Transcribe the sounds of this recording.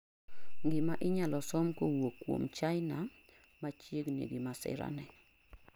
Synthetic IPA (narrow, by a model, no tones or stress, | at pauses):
ŋɡɪmaʔɪɲalɔsɔmkowokːwo̰mt͡ʃaɪna | mat͡ʃjeɡnḛɡɪmasɪ̰ɾa̰nɛ